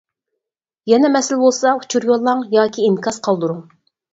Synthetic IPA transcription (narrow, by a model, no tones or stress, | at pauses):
jɛnɛmɛsɪlbolˠsɑut͡ʃʰuɾjolˠːɑŋjɑːkʲʰiːmkʰɑsqʰɑlˠd̪uɾuŋ